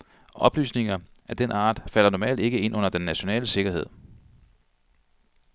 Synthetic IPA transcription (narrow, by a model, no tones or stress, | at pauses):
ʔɒ̽b̥ly̰ːsne̝ŋɐʔæd̥enɑ̈ːd̥fæl̰ɐnɒmɛ̰ːld̥e̝ɡ̥əe̝n̰ʔɔ̽n̰ɐd̥enːæɕo̝nɛ̰ːləse̝ɡ̥ɐɦe̝ð̰ˠ